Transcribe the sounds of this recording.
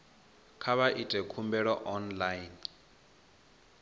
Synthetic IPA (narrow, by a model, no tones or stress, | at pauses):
kʰaβaʔitʼɛkʰumbɛɺɔʔɔnlajn